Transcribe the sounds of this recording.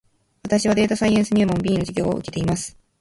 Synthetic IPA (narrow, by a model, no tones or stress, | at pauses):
βat̪aɕiβ̞ad̪e̞ːt̪asaiẽɰ̃sɨɲʲiɯmõ̞mbʲiːnoʑiɡʲo̞̰ːo̰ʔɯ̟ke̞t̪e̞imasɨ̥